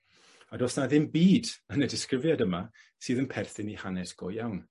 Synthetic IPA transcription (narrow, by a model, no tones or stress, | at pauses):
adɔsnaðɪmbiːdənədɪskrɪvjadəma | sɨːðənpʰɛrθɪnihanɛsɡ̥ɔjawn